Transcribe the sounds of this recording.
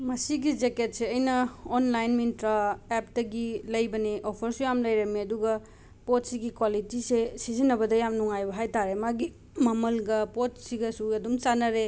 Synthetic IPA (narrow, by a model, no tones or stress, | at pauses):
mɐsiɡid͡ʒeket̚seɐjnɐonlajnmintɾaep̚dɐɡilɐjbɐniʔopʰɐɾsujamlɐjɾɐmːiɐduɡɐ | pot̚siɡikwalitisesizinːɐbɐdɐjamnuŋajbɐɦajtaɾemaɡi | mɐmɐlɡɐpot̚siɡɐsuɐdumt͡ʃanɐɾe